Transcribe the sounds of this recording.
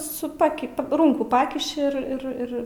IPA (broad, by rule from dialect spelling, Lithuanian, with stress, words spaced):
sʊ ˈpɑːkʲɪ pɐˈruːŋkuː ˈpɑːkʲɪʃʲɪ ɪr ɪr ˈɪr